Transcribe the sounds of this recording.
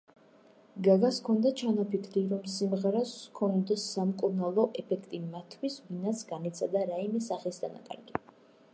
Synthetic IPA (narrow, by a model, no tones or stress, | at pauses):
ɡaɡaskʰɔnd̪at͡ʃʰanapʰikʰɾiɾɔmsimʁɛɾɔskʰɔnd̪ɛsːamkʼuɾnalˠɔʔɛpʰɛkʰt̪ʼimat̪ʰwisvinat̪sʰɡanit̪sʰad̪aɾaimɛsaχɛsd̪ʰana̰kʼa̰ɾɡi